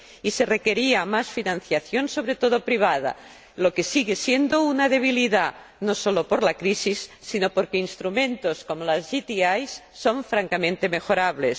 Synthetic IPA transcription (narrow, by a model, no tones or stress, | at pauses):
iserekeɾiamasfinãnθjaθjonso̞β̞ɾet̪oðopɾiβ̞að̞a̰ | lokesiɣesjend̪ounaðeβ̞iliða | nosolopoɾlakɾisisːinopoɾkeinst̪ɾumẽnt̪oskomolazʝit̪iajsːoɱfɾaŋkamẽnt̪e̞mexoɾaβles